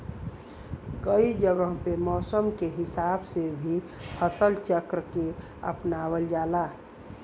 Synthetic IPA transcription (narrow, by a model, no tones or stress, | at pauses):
kəid͡ʒəɡəɦpemɔːsəmkeɦɪsaːbsebʱi | pʰəsəlt͡ʃəkɾəke | ə̰pnaːwəld͡ʒaːla